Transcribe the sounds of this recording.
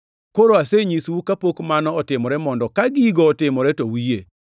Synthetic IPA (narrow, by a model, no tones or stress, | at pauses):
koɾoaseɲiswukapokmanɔɔtɪmɔɾɛmɔndɔkaɡɪiɡɔːtɪmɔɾɛtowije